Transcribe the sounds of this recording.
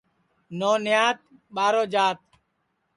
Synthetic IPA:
noːnɪjaːt̪̚ɓaːɾoːd͡ʒaːt̪̚

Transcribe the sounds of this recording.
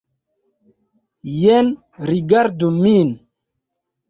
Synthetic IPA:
jɛn | ɾiɡaɾd̪umin

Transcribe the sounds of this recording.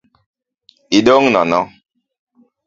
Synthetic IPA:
idoŋnɔnɔ

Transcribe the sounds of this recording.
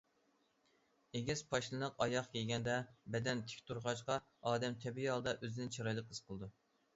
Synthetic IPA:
eɡʲɛspʰɑʃlˠɨnəqɑjɑχkʲʰɛɡʲɛnd̪ɛbɛd̪ɛnt̪ʰɪ̥kʲt̪uɾʁɑt͡ʃqɑ | ɑːd̪ɛmt̪ʰɛbijɑlˠd̪ɑʔøzɪnɪnt͡ʃʰɑɾɑjlˠəqəsqʰəlˠɨd̪u

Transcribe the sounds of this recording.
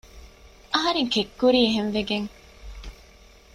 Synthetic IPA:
ɐɦɐɾeŋkekːuɾiːeɦenʋeɡeŋ

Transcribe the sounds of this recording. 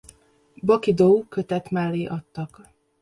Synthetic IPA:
bɒkid̪oukø̞t̪ɛt̪maːlːiʔɒt̪ːɒk

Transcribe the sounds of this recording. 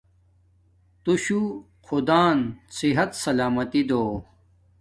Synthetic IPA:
t̪uɕu | xʰud̪aːnsiɦɐt̪sɐlaːmɐt̪id̪oː

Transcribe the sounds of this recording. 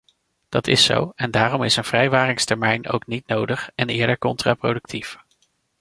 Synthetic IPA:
d̥ɑtɪso̰wɛndaːrɔmɪsənv̥rɛjʋaːrɪŋstɛɹmɛjno̰wknit̚nowdəχɛnɪːɹdəɹkɔntra̰pro̰dɵk̚tʰif

